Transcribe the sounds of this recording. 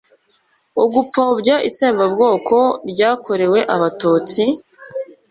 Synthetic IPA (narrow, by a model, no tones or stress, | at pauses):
uɡup͡fobɟaʔḭt͡seːmbabɡo̞ːkʰo̞ɾɟaːkʰo̞ɾe̞we̞ʔaβatuːt͡si